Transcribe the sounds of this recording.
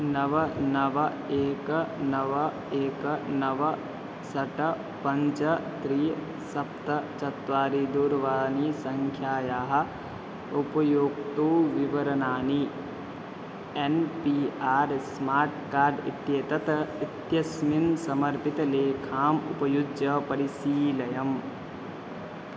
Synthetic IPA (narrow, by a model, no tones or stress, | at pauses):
nɐʋɐnɐʋɐ | eːknɐʋɐ | eːknɐʋ | sɐʈɐ | pɐɲt͡ʃɐt̪ɾiː | sɐpt̪ɐt͡ʃɐt̪ʋaːɾid̪uːɾʋaːniːsɐŋkʰjaːjaːɦɐ̆ | upɐjoːɡt̪oːʋiʋɐɾɐnaːni | enpiːaːɾsmaːɾʈkaːɾɖḭt̪jeːt̪ɐt̪it̪jɐsminsɐmɐɾpit̪ɐleːkʰaːmupɐjud͡ʒjɐpɐɾisiːlɐjɐm